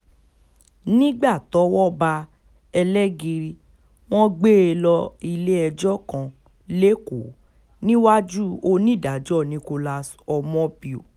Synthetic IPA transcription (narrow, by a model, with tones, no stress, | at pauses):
nĩ˦ɡ͡ba˦˨tɔ˨˦wɔ˦ba˧ | ɛ˧lɛ˦ɡi˧ɾi˧ | w̃ɔ̃˦ɡ͡be˦e˧lɔ˧i˧le˦ɛ˧d͡ʒɔ˦kã˧ | le˦ko˨˦ | nĩ˦wa˦d͡ʒu˦o˧nĩ˦˨da˨˦d͡ʒɔ˦˨nĩ˨˦ko˧la˧s | ɔ˧mɔ̃˦bi˧o˨